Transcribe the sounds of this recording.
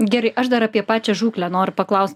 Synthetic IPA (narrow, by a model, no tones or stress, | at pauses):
ɡʲæːɾɐɪʔɐʃd̪ɐɾɐːpʲiɛpɑːt͡ʃʲɛʒuːklʲænoːɾʲʊpɐklˠɐʊst̪